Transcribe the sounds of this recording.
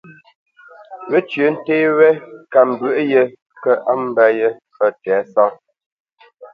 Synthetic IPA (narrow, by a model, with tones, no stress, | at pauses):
wə˦t͡ʃɥə˨˦n̩˦teː˦wɛ˦ka˨m˨bɥʉ˨ʔjə˦ | kə˦ʔa˦m˦bɛ˦jə˦fə˦tɛː˨˦sɔ˦